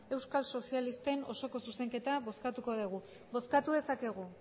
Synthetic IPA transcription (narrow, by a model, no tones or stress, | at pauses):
e̞wskalso̞sialist̪e̞no̞so̞ko̞suse̞ŋke̞t̪aβo̞skat̪uko̞ð̞eɣ̞u | βo̞skat̪uðe̞sake̞ɣ̞u